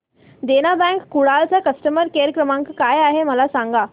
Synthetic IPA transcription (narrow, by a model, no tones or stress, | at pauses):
d̪enabɛ̃ŋkːuɽalt͡sakəsʈəməɾkeəɾəkɾəmãŋkkajaɦeməlasãŋɡa